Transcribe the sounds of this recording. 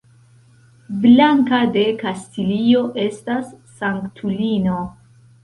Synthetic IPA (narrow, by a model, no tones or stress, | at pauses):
blaŋkade̞kastilio̞ʔe̞stasː | aŋktʰulino̞